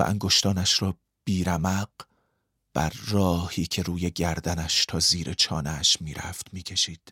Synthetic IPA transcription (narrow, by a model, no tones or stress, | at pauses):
ʔæ̰ŋɡo̞ʃt̪ɒːnæʃɾɒː | b̥iːɾæmæɢ̥ | b̥æ̰ɾːɒːhiːcʰe̞ɾuːje̞ɟæɾd̪ænæʃt̪ʰɒːziːɾʔe̞t͡ʃʰɒːneʃmiːɾæ̰ft̪miːcʰe̞ʃiːd̪̥